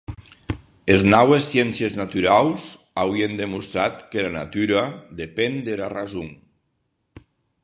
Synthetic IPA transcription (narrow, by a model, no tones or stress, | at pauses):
eznawesːjɛnsjeznat̪yɾawz | awiend̪emust̪ɾat̪kelana̰t̪yɾad̪epend̪eɾarazuŋ